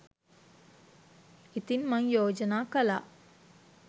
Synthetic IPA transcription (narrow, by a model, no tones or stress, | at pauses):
it̪inmɐŋjoːd͡ʒɐnaːkɐla̰ʔ